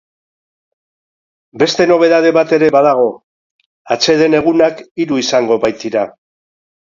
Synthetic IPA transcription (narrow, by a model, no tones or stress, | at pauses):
be̞st̪e̞no̞β̞e̞ðað̞e̞βat̪e̞ɾe̞βað̞aɣ̞o̞ | at͡se̞ðe̞ne̞ɣ̞unakiɾuisaŋɡo̞βajt̪iɾa